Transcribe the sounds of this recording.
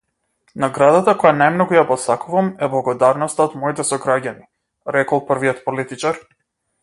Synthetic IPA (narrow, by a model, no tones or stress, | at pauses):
naɡɾad̪at̪akɔjanajmnɔɡujapɔsakuvamɛblˠaɡɔd̪aɾnɔst̪aɔd̪mɔit̪ɛsɔɡɾaɟani | ɾɛkɔlˠprvijɔt̪pɔlit̪it͡ʃaɾ